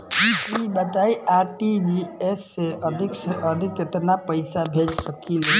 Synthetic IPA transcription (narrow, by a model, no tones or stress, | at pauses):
d͡ʒikibət̪aiaɾʈid͡ʒieseəd̪ʱiksəd̪ʱikːet̪napəɪsabʱed͡ʒsəkili